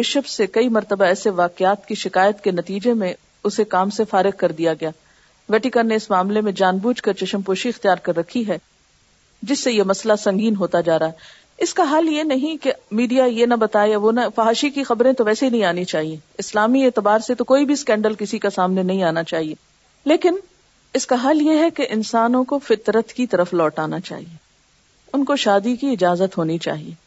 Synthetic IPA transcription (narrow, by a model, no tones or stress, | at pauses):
bɪʃəfsekɐimɐɾt̪əbaɛːseʋaːqɪaːt̪kiʃɪkaːjət̪kenɐt̪iːd͡ʒemẽ | ʊsekaːmsefaːɾɪq̚kɐɾd̪ijaɡɐjaː | ʋɛːʈɪkənneɪsmaːmlemẽd͡ʒaːnbuːd͡ʒkɐɾt͡ʃɐʃəmpoːʃiɪxt̪ijaːɾkɐɾːɐkʰːiɦɛ | d͡ʒɪsːejemɐslasɐ̃ŋɡiːnɦoːt̪ad͡ʒaːɾaːɦɛ | ɪskaɦaːljenɐɦĩkemiːɖijajenɐbɐt̪aːjaʋonafaɦaːʃikixɐbɾẽt̪oʋɛːseɦinɐɦĩaːnit͡ʃaːɦieɪslaːmieːt̪ɪbaːɾset̪okoːibʱiskɛ̃ːɳɖəlkɪsikasaːmnenɐɦĩaːnat͡ʃaːɦieː | leːkɪn | ɪskaɦaːljeɦɛkeʔɪnsaːnõkofɪt̪ɾət̪kit̪ɐɾəflɔːʈaːnat͡ʃa̰ːɦieː | ʊnkoʃaːd̪ikiɪd͡ʒaːzət̪ɦoːnit͡ʃa̰ːɦieː